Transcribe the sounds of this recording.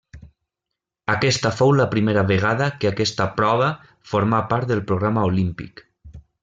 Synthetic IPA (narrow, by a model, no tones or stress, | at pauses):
akɛst̪əfowləpɾimeɾaβeɣ̞aðəkeakɛst̪apɾɔβ̞ə | foɾmapaɾt̪̚d̪ðelˠpɾoɣɾamaolimpḭk